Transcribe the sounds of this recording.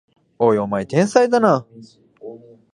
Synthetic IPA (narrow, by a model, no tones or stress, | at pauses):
ojomait̪ẽɰ̃said̪ana